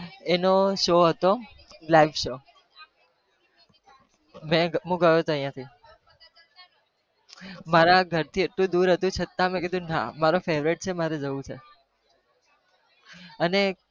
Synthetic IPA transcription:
enoʃoɦət̪o | laiʋʃo | mɛ̃ɡɦũɡəjoɦət̪oə̃jãt̪ʰi | maɾaɡʱəɾt̪ʰieʈlũd̪uɾɦət̪ũt͡ʃʰət̪amɛ̃ked̪ʱũnã̰maɾofeʋɾiʈ̚t͡ʃʰemaɾed͡ʒəʋũt͡ʃʰḛ | əne

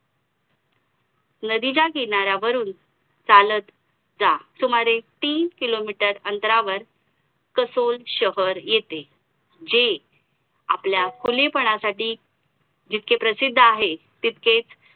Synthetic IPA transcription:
nəd̪id͡ʑakiɳaɾjaʋəɾuːn | t͡salət̪ | d͡zasumaɾet̪iːnkilomiʈəɾənt̪ɾaʋəɾ | kəsolɕəɦəɾjet̪e | d͡ʑe | a̰pljakʰulepəɳ̃asaʈiː | d͡ʑit̪̚kepɾəsid̪ʱːaɦe | t̪it̪ket͡s

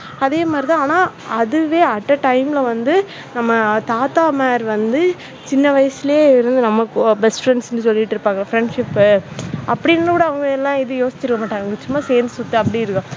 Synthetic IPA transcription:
ɐðeːmaːd̪ɾɪt̪ãaːnaː | ɐðɯʋeːɐʈːɐʈɐɪmɪlɐʋɐnd̪ɯ | nɐmːɐt̪aːt̪aːmaːɾʋɐnd̪ɯ | t͡ʃɪnːɐʋɐjɐsɪleːɪɾɯnd̪ɯnɐmːɐkbɛsʈfɾɛɳsɛnd̪ɯsɔlːɪʈːɪɾɯpːaːŋɡɐfɾɛɳɖʂɪpː | ɐpːɐɽɪnːɯkːɽɐɐʋɐŋɡɐɛlːãːɪðɯjoːsɪ̥t͡ʃːɪɾɯkːɐmaːʈːaːŋɡɐʋɐŋɡɐt͡ʃʊmːaːseːɾnd̪ɯsʊt̪ːɯɐpːɐɽiɪɾɯkːɐ̃

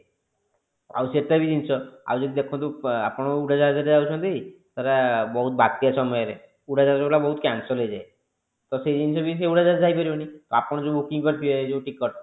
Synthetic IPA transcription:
a̰wseʈt̪abid̪int͡ʃʰɔa̰wd͡ʒɔd̪id̪ekʰɔnt̪ua̰pɔɽ̃ɔuɽʱad͡ʒaɾɦad͡ʒaɾed͡ʒawt͡ʃʰɔnd̪ej | t̪ɔɾabɔɦut̪̚bat̪ːijasɔmɔjɔɾe | uɽad͡ʒaɾɾɔblabɔɦut̪kansɔlɦejd͡ʒae | t̪ɔsejd͡ʒinsʰɔbiseuɽad͡ʒaɾd͡ʒajpɔɾibɔnit̪ɔapɔɽ̃d͡ʒobukiŋkɔɾt̪ʰiɔed͡ʒeʈikːɔɾʈ

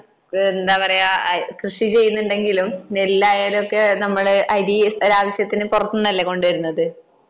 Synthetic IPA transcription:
end̪aːpɐrɐjakrɨʂit͡ɕe̞jːunːuɳɖe̞ŋɡilumelːaːjaːluokːe̞nɐmːɐɭʔɐɾioɾaːʋɐɕjɐt̪ːinɨpurɐt̪ːɨnːɐlːeko̞ɳɖɨʋɐɾunːɐðɨ

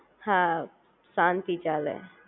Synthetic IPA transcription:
hã | sant̪it͡ʃaːlḛ̃

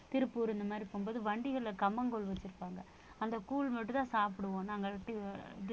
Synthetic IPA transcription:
t̪ɪɾɯpːuːɾɛnd̪ɐmaːd̪ɾipoːmboːðɯʋɐɳɖɪɣɐɭlɐkɐmbɐŋɡɔɭʋɐt͡ʃːɯɾɯpːaːŋɡɐ | ɐnd̪ɐkuːlmɐʈːɯt̪ãːsaːpɪɽɯʋõːnaːŋɡɐɭʈːɯɪð

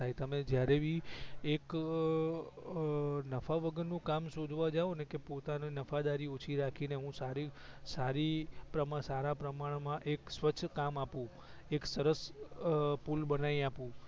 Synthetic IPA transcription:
ait̪əmed͡ʒjaɾebʱiek | nəfaʋəɡənːũkamsod̪ʱʋad͡ʒaʋonekepot̪aninəfad̪aɾiot͡ʃʰiɾakʰineɦũsaɾisaɾipɾəmasaɾapɾəmaɳ̃mãʔeksʋəːt͡ʃʰːkamapũ | eksəɾəs | pulbənaiapũ

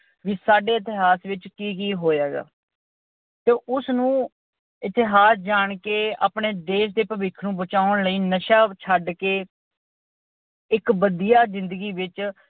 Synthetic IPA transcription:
ʋiːsaːɖeːɪt̪ɪɦaːsʋɪt͡ʃkiːkiːɦoːjaːɡa̰ː | t̪eːʔʊsnũː | ɪt̪ɪɦaːsd͡ʒaːɳkeːa̰ːpɳeːd̪eːʃd̪eːpəʋɪkʰnũːbət͡ʃaːʊɳləiːnəʃaːt͡ʃʰəɖkeː | ɪkbəd̪ijaːzɪ̃nd̪əɡiːʋɪt͡ʃ

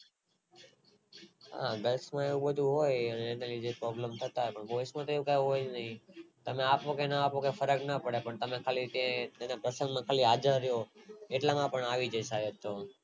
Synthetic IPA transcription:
ɦa̰ɡəlsmãeʋũbəd̪ʱuɦojəneːnelid͡ʒepɾɔbləmt̪ʰət̪aɦepəɳboismãt̪oeʋũkaũɦojd͡ʒnəɦĩt̪əmeapokenəapokefəɾəknəpəɽepəɳt̪əmẽkʰalit̪ẽt̪enapɾəsə̃ŋɡmãkʰaliɦad͡ʒəɾjoeʈlamãpəɳaʋid͡ʒəjsajet̪ːo

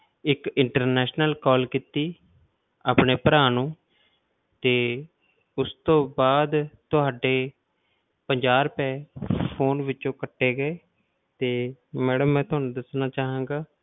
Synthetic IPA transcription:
ɪkɪɳʈəɾnɛːʃnəlkɔːlkit̪iː | aːpneːpəɾaːnũː | t̪eː | ʊst̪õːbaːd̪t̪ʊɦaːɖeː | pəɲd͡ʒaːɾpɛːpʰoːnʋɪt͡ʃõːkəʈːeːɡəeː | t̪eːmɛːɽəmːɛ̃ːt̪ʊɦaːnũːd̪əsnaːt͡ʃaːɦãːɡaː

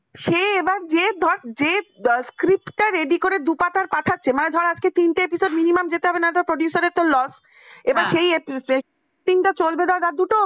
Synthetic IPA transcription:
ʃeebaɾd͡ʑed̪ʱɔɾd͡ʑeskɾipʈaɾeɖikoɾed̪upat̪aɾpaʈʰatːɕʰemaned̪ʱɔɾad͡ʑket̪inʈaepisoɖminimamd͡ʑet̪eɦɔbenaeʈapɾoɖjusaɾeɾt̪olɔs | ebaɾʃejese | ʈiŋʈat͡ɕolbed̪aɾɾad̪uʈo

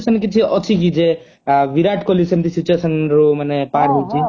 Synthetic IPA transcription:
sɔnkit͡ʃʰiɔt͡ʃʰik̬id͡ʒe | ʋiɾaʈkɔlisemt̪ʰisit͡ʃuesɔnɾumanepaɾɦojt͡ʃʰi

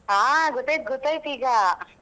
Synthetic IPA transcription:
aːɡɔt̪ːaːjt̪̚ɡɔt̪ːaːjt̪iːɡɐ

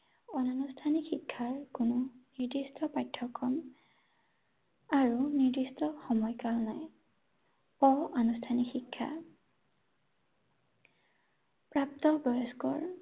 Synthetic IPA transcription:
ɔnanustʰanikxikʰːaɹkʊnɔniɹd̪istʰɔpajtʰːɔkːɔm | aɹuniɹdistɔxɔmɔjkalnaj | ɔanustʰanixikʰːa̰ | pɹap̚t̪ɔpɹɔjɔskɔ̰ɹ

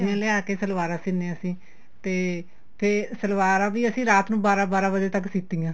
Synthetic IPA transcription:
ãːlɪaːkeːsəlʋaːɾãːsɪnẽːəsĩː | t̪eː | pʰɪɾsəlʋaːɾãːʋiːəsĩːɾaːt̪nũːbaːɾãːbaːɾãːbəd͡ʒ̪eːt̪əksɪt̪ːiːjãː

